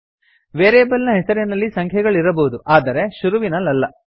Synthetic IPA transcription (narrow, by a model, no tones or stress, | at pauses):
ʋeːɾeːbɐlnɐɦɛsɐɾenɐlːisɐŋkʰjɐɡɐɭiɾɐboud̪uʔaːd̪ɐɾe̞ʃuɾuʋinɐlːɐlːɐ